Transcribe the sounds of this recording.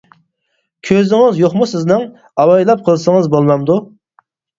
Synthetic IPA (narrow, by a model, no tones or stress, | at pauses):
kʲʰøzɪŋɪzjoχmusɪznɪŋ | ɑwɑjlˠɑp̚qʰəlˠsəŋəzbolˠmɑmd̪u